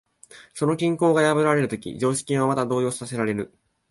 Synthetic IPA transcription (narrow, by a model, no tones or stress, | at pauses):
so̞no̞kʲĩŋko̞ːɡajabɯ̟ɾaɾe̞ɾɯ̟t̪o̞kʲḭd͡ʑo̞ːɕi̥kʲĩɰ̃βamat̪ad̪o̞ːjo̞ːssase̞ɾaɾe̞ɾɯ̟